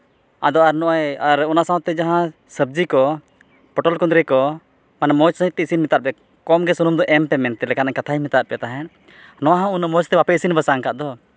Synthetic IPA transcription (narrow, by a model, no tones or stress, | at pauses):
a̰d̪ɔaɾnɔʔajaɾɔnasãw̃t̪ɛd͡ʒaɦã | səb̚d͡ʒikɔ | pɔʈɔlkɔnd̪ɾɛkɔ | manɛmɔt͡ʃsəɦit̪ːɛisinmit̪aʔ̚pɛ | kɔmɡɛsunumd̪ɔʔɛmpɛmɛnt̪ɛlɛkanaɲkat̪ʰaimit̪aʔ̚pɛt̪aɦɛ̃ | nɔwaɦãunamɔt͡ʃt̪ɛbapɛisinbəsaŋkaʔd̪ɔ